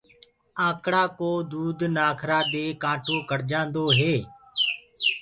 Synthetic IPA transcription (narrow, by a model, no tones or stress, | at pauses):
ãːkɽaːkoːd̪uːd̪naːkʰɾaːd̪eːkãːʈoːkəɽd͡ʒãːnd̪oːɦeː